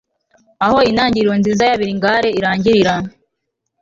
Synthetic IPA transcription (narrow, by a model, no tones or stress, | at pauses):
aho̞inaːɲɟiɾɾonziːzajaβiɾiŋɡaːɾe̞iɾaːɲɟiɾiɾa